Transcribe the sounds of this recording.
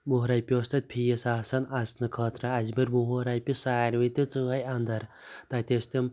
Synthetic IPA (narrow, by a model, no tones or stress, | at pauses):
muɦɾɐjpʲost̪ɐt̪̚ʲpʰijesaːsɐnɐsnɨkʰɐːt̪ɾɐːzmiɾmuɦoɾajpisaːɾʋit̪it͡sɨɣɐjɐnd̪ɐɾt̪aːt̪ʲest̪im